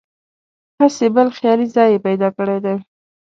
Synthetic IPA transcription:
hasebəlxjɑlizɑjepajd̪ɑkəɽed̪e

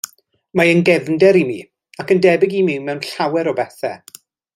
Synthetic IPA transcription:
maənɡɛvndɛɾimiː | akəndɛbɪɡimiwmɛwnɬawɛɾɔbɛθɛ̰

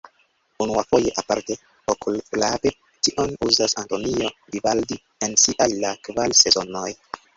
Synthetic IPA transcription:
unuafo̞je̞ʔapaɾte̞ | okulflabe̞ | tiʔo̞nuzasanto̞nio̞divaldi | ensiʔajlakvalse̞zo̞no̞j

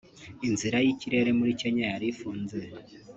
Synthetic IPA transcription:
inziɾajiciɾe̞ɾe̞muɾiceɲajaɾifuːnze

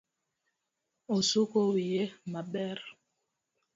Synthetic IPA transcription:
osukowijemaɓɛɾ

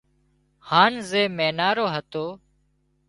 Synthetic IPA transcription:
haːnzeːmeːnaːɾoːɦət̪oː

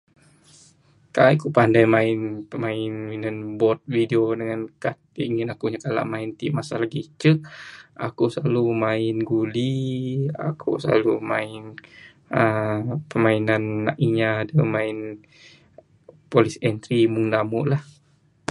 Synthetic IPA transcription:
kaikupandajmaɪnpəmaɪninanbɔt̪̚videodəŋankat̪̚iŋɪnakuɲakala̰ʔmaɪnt̪iʔmasalaɡit͡ʃək̚a̰kusəlalumaɪnɡulia̰kʰṵsəla̰lumaɪn | əpəmainanːa̰ʔiɲadəmaɪn | polisɛnt̪ɾimʊŋdamʊʔlah

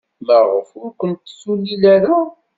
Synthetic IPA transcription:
məʁə̰fʊɾkʷənt̪ːsulːilæɾa

